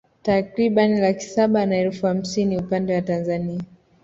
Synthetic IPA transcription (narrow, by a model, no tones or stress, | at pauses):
takɾiɓanilaki̥saɓanaɛlfuham̩siniupandɛwatanzania